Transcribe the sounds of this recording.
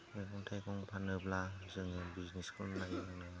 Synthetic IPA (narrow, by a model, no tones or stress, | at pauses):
mekʰɔŋtʰajkɔŋpʰanɯplazɯŋɯbizniskʰɯmnajaŋnɯ